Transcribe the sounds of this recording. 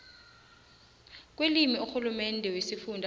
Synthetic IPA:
k̬welimiuxulumɛndʱɛwesifundʱ

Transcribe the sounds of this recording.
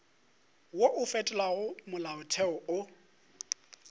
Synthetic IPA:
woʔʊfɛtʼɛlwaɣʊmʊlaʊtʰɛɔʊ

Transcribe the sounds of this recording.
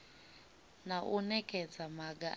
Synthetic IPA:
naʔunɛkʼɛd͡zamaɡa̰

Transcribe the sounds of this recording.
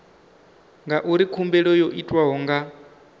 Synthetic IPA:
ŋɡaʔuɾikʰumbɛɺɔjoʔitʼwaɦɔŋɡa

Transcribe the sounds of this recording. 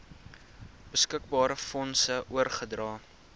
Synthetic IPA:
b̥əskək̚bɑːɾəfɔnsəʔuərχədrɑː

